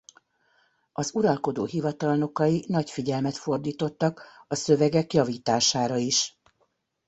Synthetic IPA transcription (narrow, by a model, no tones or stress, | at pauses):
ɒzuɾɒlko̞d̪o̰ːɦivɒt̪ɒlno̞kɒinɒcfiɟɛlmɛt̪fo̞rd̪iːt̪o̞t̪ːɒkɒsøvɛɡɛkjɒviːt̪aːʃaːɾɒiʃ